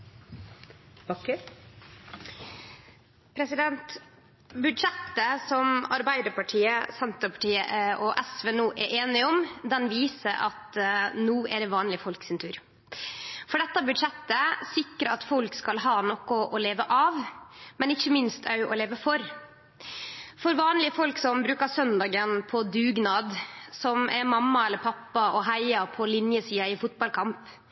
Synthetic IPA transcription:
bɑkə | pʰɾɛsɪd̪ɛnt̪ | bʉd̪ʂɛt̪ːəsɔmɑ̰ɾbæɪd̪əɾpɑʈʰiːəsɛnt̪əpʰɑʈiːə̰ʔɔʔɛsʋeːnuːʔɛɾʔeːnɪɔmd̪ɛnʋiːsəʔɑt̪nuːʔɛɖɛʋɑːnlɪfɔlksɪnt̪ʰʉːɾ | fɔɖɛt̪ːəbʉd̪ʂɛt̪ːəsɪkːɾəɑt̪fɔlkskɑlɦɑːnɔkʊʔɔleːʋəʔɑʋmɛnɪçːəmɪnst̪ʰœʉʔɔ̰leːʋəfɔɾ | fɔɾʋɑːnlɪəfɔlksɔmbɾʉːkɑɾsœnd̪ɑːɡənpʰɔd̪ʉːɡnɑːd̪sɔmʔɛɾmɑmːɑɛlːəɾpʰɑpːɑʔɔɦæɪɑpʰɔlɪnjəsiːɑɪfʊt̪̚bɑlkʰɑmp

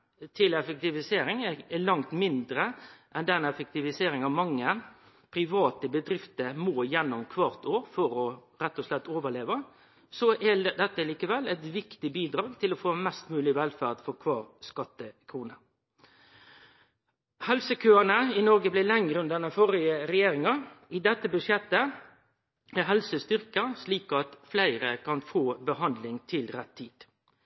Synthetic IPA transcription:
t̪ʰɪlɛfək̚t̪ɪʋɪseːɾɪŋɛɛlɑŋt̪mɪnd̪ɾəʔɛnd̪ɛnɛfək̚t̪ɪʋɪseːɾɪŋɑʋmɑŋːə | pʰʁɪʋɑːt̪əbəd̪ɾɪft̪əmoːjɛnːɔmkʰʋɑːʁt̪ʰoːɾfɔɾɔ | ɾɛt̪ːɔslɛt̪ːoːʋəʁleːʋə | sɔʔɛd̪ɛt̪ːəəliːkəʋɛlːɛt̪ʋɪkt̪ɪbiːd̪ɾɑːɡt̪ʰɪlɔfoːmɛst̪mʉːlɪʋɛlfæʁd̪fɔʁkʰʋɑːʁskɑt̪ːəkʰɾuːnə | hɛlsəkʰøːənəɪnɔɾɡəblɪlɛŋɾəʉnd̪ɛnəfɔɾɪəɾɛjeːɾɪŋɑɪd̪ɛt̪ːəbʉʂjɛt̪ːə | æɦɛlsəst̪ʏɾkəsliːkɑt̪flæɪɾəkʰɑnfoːbəɦɑnd̪lɪŋt̪ʰɪlɾɛt̪ʰːiːd̪̥

